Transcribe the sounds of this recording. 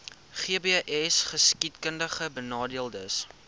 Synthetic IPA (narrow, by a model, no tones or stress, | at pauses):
χiəbeʔɛsχəskitkəndəχəbənɑːdiəlˠdəs